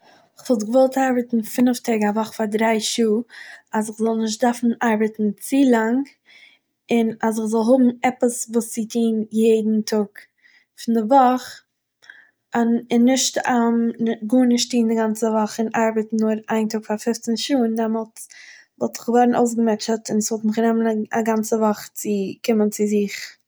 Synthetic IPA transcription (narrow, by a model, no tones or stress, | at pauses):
ɪχvɔlˠtɡəvɔlˠtaɾbətn̩fɪnəftʰɛɡavɔχfadɾaɪʃuːasɪχzɔlˠnɪʃ̬t̚dafn̩aɾbətn̩t͡silˠaŋ | ɪnas̬ɪχzɔlˠɦʊbm̩ɛpəsvuːsːitʰiːnjeɪdn̩tʰʊk | fɪndɪvɔχ | anɪnːɪʃtamɡuːnɪʃtiːndɪɡant͡səvɔχɪnʔaɾbətn̩ːʊɾaɪntʊkfaɾfɪft͡sənʃuːndɛmɔlˠt | vɔlˠtɪ̥χɡvɔɾn̩ʔoʊs̬ɡəmɛt͡ʃətɪnsvɔlˠtmɪχnɛməna̰ɡant͡səvɔχt͡sɪkɪmənt͡sɪzɪχ